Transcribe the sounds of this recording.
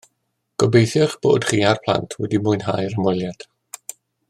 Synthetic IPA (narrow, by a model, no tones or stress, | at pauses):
ɡ̥ɔbejθjɔχb̥o̰ːd̥χiːarpʰl̥ˠa̰ntʰwɛ̰dimʊɨnɦajɾəmwɪlˠjad̥